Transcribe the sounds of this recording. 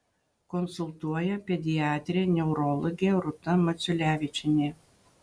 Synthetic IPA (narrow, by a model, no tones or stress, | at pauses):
kɔnsʊlˠt̪uɔjɛpʲɛd̪ʲɪɑːt̪ʲɾʲeːnʲɛʊɾɔlˠɔɡʲeːɾʊt̪ɐmɐt̪sʲʊlʲæːʋʲɪt͡ʃʲɪnʲe